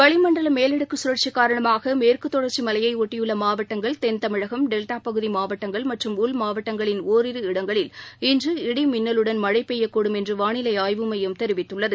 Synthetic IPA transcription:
ʋɐɭɪmɐɳɖɐlɐmeːlɪɽɯkːɯsʊɾɐɾt͡ʃikːaːɾɐɳɐmaːɣɐmeːrkɯt̪ːɔɽɐɾt͡ʃimɐlɐjɐɪɔʈːɪjɯɭːɐmaːʋɐʈːɐŋɡɐɭt̪ɛnt̪ɐmɪɻɐɣɐmɖɛlʈaːpɐɣɯðimaːʋɐʈːɐŋɡɐɭmɐʈrɯmʊlmaːʋɐʈːɐŋɡɐɭɪnoːɾɪɾɯɪɽɐŋɡɐɭɪlɪndrɯɪɽɪmɪnːɐlɯɽɐnmɐɻɐɪpːeːjɐkːoːɽɯmɛndrɯʋaːɳɪlɐɪaːjʋɯmɐjɯmt̪ɛɾɯʋɪt̪ːɯɭːɐðɯ

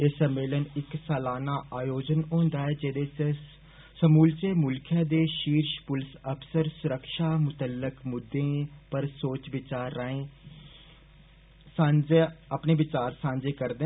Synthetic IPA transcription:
eːsəmːeːlənɪksɛːlaːnaːʔaːjoːd͡ʒənɦõːnd̪aːɛːd͡ʒeːd̪eːe | səmuːlt͡ʃeːmʊlkʰjaːd̪eːʃiːɾʃpʊlɪsəpsəɾsʊɾəkʃaːmʊt̪əlːɪkmʊd̪ːẽːpəɾsoːt͡ʃʋɪt͡ʃaːɾːəːẽː | sãːd͡ʒeːəpneːʋɪt͡ʃaːɾsãːɲd͡ʒeːkəɾd̪e

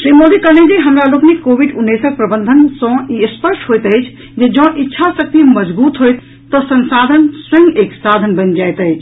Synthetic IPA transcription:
ʃɾimod̪ikəned͡ʒiɦəmɾaloːkmekoʋiɖunːesək̚pɾəbənd̪ʱənsə̃ispəɾʃʈɦojt̪əjt͡ʃʰ | d͡ʒed͡ʒɔ̃ʔitːʃʰasək̚t̪iməd͡ʒbuːt̪ɦojt̪ː | ɔsənsad̪ʱənswəŋɡeksad̪ʱənbənd͡ʒajt̪əjt͡ʃʰ

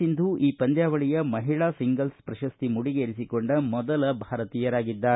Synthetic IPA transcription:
ind̪uʔiːpɐnd̪jaːʋɐɭijɐmɐɦiɭaːsiŋɡɐlspɾɐʃɐst̪imuɽiɡeːɾisikoɳɖɐmɔd̪ɐlɐbʱaːɾɐt̪iːjɐɾaːɡid̪ːaː

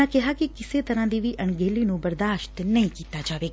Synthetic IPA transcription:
ãkɛɦakekɪset̪əɾãd̪iʋiʔəɳɡelinũbəɾd̪aːʃt̪nɐɦĩkiːt̪ad͡ʒaːʋe

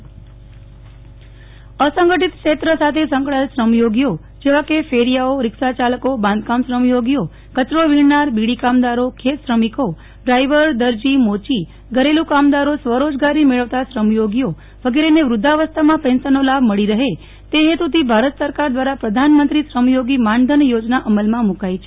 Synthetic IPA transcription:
əsə̃ŋɡəʈit̪kʃet̪ɾəsat̪ʰesə̃ŋkɭalsɾəmjoɡjo | d͡ʒeʋãkefeɾijaoɾɪkʃat͡ʃaləkobãnd̪̚kamsɾəmjoɡjo | kət͡ʃɾoʋiɽnaɾbiɽikamd̪aɾokʰet̪ʃɾəmiko | ɖɾaiʋəɾd̪əɾd͡ʒimot͡ʃi | ɡʱəɾelũkamd̪aɾosʋəɾod͡ʒɡaɾimeɭəʋt̪asɾəmjoɡijo | ʋəɡeɾeneʋɾʊd̪ʱaʋəst̪ʰamãpɛ̃nsənolabʱməɭiɾəɦe | t̪eɦet̪ut̪ʰibʱaɾət̪səɾkaɾd̪ʋaɾapɾəd̪ʱanmənt̪ɾisɾəmjoɡimãnd̪ʱənjod͡ʒnaʔəməlmãmũkait͡ʃʰe

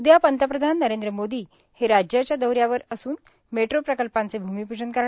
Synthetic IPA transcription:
ud̪japənt̪əpɾəd̪ʱanːəɾend̪ɾəmod̪iː | heɾad͡ʑjat͡ɕjad̪əwɾjaʋəɾəsuːn | meʈɾopɾəkəlpãnt͡sebʱumipud͡ʑənkəɾ

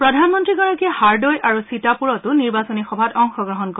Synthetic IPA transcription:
pɹɔdʱanmɔntɹiɡaɹɔkiɛhaɹdɔjʔaɹusitapuɹɔtʊniɹbasɔnixɔbʱatɔŋxɔɡɹɔɦɔnkɔ

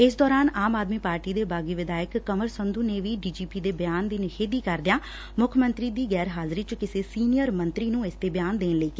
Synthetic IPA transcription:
ɪs̬d̪ɔːɾaːnaːmaːd̪miːpaːɾʈiːd̪eːbaːɡiːʋɪd̪aːjəkːəməɾsənd̪uːneːʋiːɖiːd͡ʒiːpiːd̪eːbəjaːnd̪iːnɪʃʰeːd̪iːkəɾd̪ɪjãː | mʊkʰmə̃nt̪ɾiːd̪iːɡɛːɾɦaːzɾiːt͡ʃkɪseːsiːnɪjəɾmə̃nt̪ɾiːnũːɪst̪eːbɪjaːnd̪eːnləiːkeː

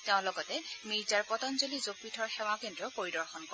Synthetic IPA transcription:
tɛʊ̃lɔɡɔtɛmiɹzaɹpɔtɔnzolizopːitʰɔɹxɛw̃akendɹɔpoɹidɔɹxɔnkɔ

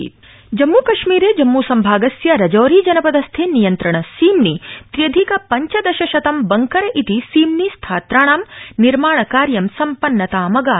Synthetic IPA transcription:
d͡ʒɐmːuːkɐʃmiːɾeːd͡ʒɐmːuːsɐmbʱaːɡɐsjɐɾɐd͡ʒoːɾiːd͡ʒɐnɐpɐd̪ɐst̪ʰeːnijɐnt̪ɾɐɳɐsiːmnit̪ɾjɐd̪ʱikɐpɐɲt͡ʃɐd̪ɐʃɐʃɐt̪ɐmbɐŋkɐɾɐʔit̪isiːmnist̪ʰaːt̪ɾaːɳaːmniɾmaːɳɐkaːɾjɐmsɐmpɐnːɐt̪aːmɐɡaː

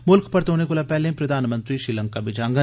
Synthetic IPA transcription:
mʊlkpɐɾt̪oːnekolapɛɦlẽpɾɐd̪ʱaːnmə̃nt̪ɾiʃɾiːlə̃ŋkabɪd͡ʒãːŋɡə

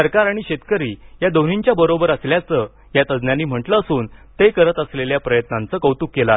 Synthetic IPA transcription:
əɾkaɾaɽ̃iɕet̪kəɾiːjad̪on̤iɲt͡ɕjabəɾobəɾəsljat͡sə | jat̪əd͡znjanːiːm̤əʈləːsuːnt̪ekəɾət̪əsleljapɾəjət̪nãnt͡səːkəwt̪ukːela

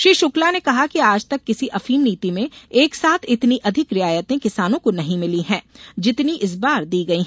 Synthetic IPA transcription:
ʃɾiːʃʊklanekɐɦakiaːd͡ʒt̪ɐkːɪsiʔɐfiːmniːt̪imẽeːksaːt̪ʰɪt̪niʔɐd̪ʱɪkɾɪaːjət̪ẽkɪsaːnõkonɐɦĩmɪliɦɛ̃ːd͡ʒɪt̪niʔɪs̬baːɾd̪iːɡɐiɦ

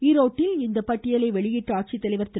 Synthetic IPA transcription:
iːɾoːʈːɪlɪnd̪ɐpɐʈːɪjɐlɐɪʋɛɭɪjɪʈːɯaːʈ̚t͡ʃit̪ːɐlɐɪʋɐɾt̪ɪ

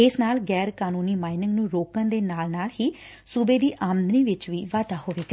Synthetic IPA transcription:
ɪsnaːlɡɛːɾkaːnuːniːmaːɪnɪŋɡnũːɾoːkə̃nd̪eːnaːlnaːlhiː | subeːd̪iːʔaːmənd̪əniːʋɪt͡ʃʋiːʋaːd̪aːɦoːʋeːk

